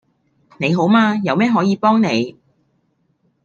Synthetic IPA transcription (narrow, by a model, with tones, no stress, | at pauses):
ne˨˧jɦo˨˥wmaː˧jɐ˨˧wmɛː˥ɦɔː˨˥jiː˨˧pɔː˥ŋne˨˧j